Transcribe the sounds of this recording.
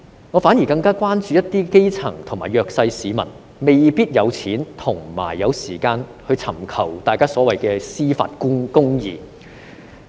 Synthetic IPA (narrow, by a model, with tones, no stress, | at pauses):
ŋɔ˨˧faː˨˥nji˨˩kɐ˧ŋkaː˥kwaː˥nt͡ʃyː˧jɐ˥t̚t̪iː˥ke˥jt͡sʰɐ˨˩ŋt̪ʰʊ˨˩ŋmaː˨˩jœː˧k̚sɐ˧jsiː˨˧mɐ̰˨˩n | me˨jpiː˥t̚jɐ˨˧wt͡sʰiː˨˥nt̪ʰʊ˨˩ŋma̰ː˨˩jːɐ˨˧wsiː˨˩kaː˧nhɵ˧t͡sʰɐ˨˩mkʰɐ˨˩wt̪aː˨jkaː˥sɔː˨˥wɐ˨jkɛː˧siː˥fa̰ː˧t̚kʊ˥ŋjiː˨